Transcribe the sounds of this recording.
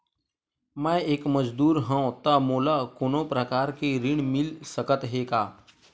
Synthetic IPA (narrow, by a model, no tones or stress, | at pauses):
mɛ̃ːeːkməd͡ʒd̪uːɾɦɛ̃õt̪amoːlakoːnõpɾəkaːɾkeɾɪɽ̃mɪlsəkət̪ɦeːkaː